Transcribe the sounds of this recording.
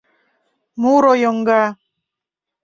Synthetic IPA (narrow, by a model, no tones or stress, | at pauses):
muɾojoŋɡa